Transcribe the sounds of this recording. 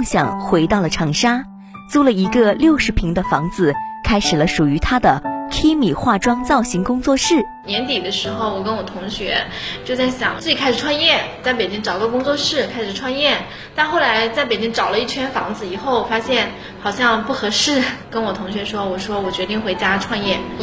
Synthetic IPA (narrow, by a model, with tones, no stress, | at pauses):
ɕjɑ̰˨˩ŋxwe˧˥ɪt̪ɑ˥˩ʊlə˩ʈ͡ʂʰɑ˨˩ŋʂa˥ | t͡su˥˩lə˨˩i˧˥ɡə˧ljo˥˩ʊʂɻ̩˧˥pʰi˧˥ŋd̪ə˧fɑ˧˥ŋd͡zɹ̩˧kʰa˥ɪʂɻ̩˨˩lə˦ʂu˨˩y˧˥t̪ʰa˥d̪ə˨kʰi˥mi˨˩xwa˥˩ʈ͡ʂwɑ˥ŋt͡sɑ˥˩ʊɕi˧˥ŋkʊ˥ŋt͡swɔ˥˧ʂɻ̩˥˩ | njɛ˧˥nt̪i˨˩d̪ə˦ʂɻ̩˧˥xo˧ʊwɔ˨˩kə˥nwɔ˨˩t̪ʰʊ˧˥ŋɕɥɛ˧˥t͡ɕjo˥˧ʊt͡sa˥˩ɪɕjɑ˨˩˦ŋt͡sɹ̩˥˩t͡ɕi˨˩kʰa˥ʂ̩˨˩ʈ͡ʂʰwa˥˧njɛ˥˩n˩t͡sa˥˩ɪpe˨˩ɪt͡ɕi˥ŋʈ͡ʂɑ˨˩ʊɪ˥ə˧kʊ˥ŋt͡swɔ˥˧ʂɻ̩˥˩kʰa˥ɪʂɻ̩˨˩ʈ͡ʂʰwa˥˧njɛ˥˩n | t̪a˥˧nxo˥˩ʊla˧˥ɪt͡sa˥˩ɪpe˨˩ɪt͡ɕi˥ŋʈ͡ʂɑ˨˩ʊlə˦i˥˩t͡ɕ̪ʰɥɛ˥nfɑ˧˥ŋd͡zɹ̩˧˨i˨˩xo˥˩ʊfa˥ɕjɛ˥˩n | xɑ˨˩ʊɕjɑ˥˧ŋpu˥˩xɤ˧˥ʂɻ̩˥˩kə˥nwɔ˨˩t̪ʰʊ˧˥ŋɕ̬ɥɛ˧˥ʂwɔ˥wɔ˨˩ʂwɔ˥wɔ˨˩t͡ɕɥɛ˧˥t̪i˥˩ŋxwe˥˩ɪt͡ɕja˥ʈ͡ʂʰwa˥˧njɛ˥˩n